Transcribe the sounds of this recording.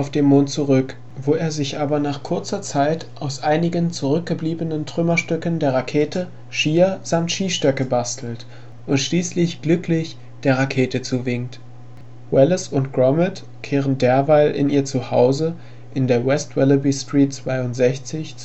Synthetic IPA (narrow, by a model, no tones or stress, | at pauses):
ʔaʊfd̥eːmːoːnt̚t͡suʁʏk | voːeːɐzɪçʔaːbɐnaːχkʰʊɐt͡sɐt͡saɪtʔaʊsʔaɪnɪɡənt͡suʁʏk̚ɡ̥əbliːbənəntʁ̥ʏmɐʃtʏkəndeːɐʁakʰeːtʰə | ʃiːɐz̥amtʃiːʃtœkəbastʰl̩t | ʔʊntʃliːslɪçɡ̥lʏklɪç | d̥eːɐʁakʰeːtət͡suːvɪŋkt | wɛləsʊntɡ̥ʁɔmət | kʰeːʁ̞əndeːɐvaɪlʔɪ̰nʔiːɐt͡suhaʊzə | ʔɪndeːɐwɛstwɛləbistʁ̥iːtt͡sv̥aɪʊntz̥ɛçt͡sɪçt͡s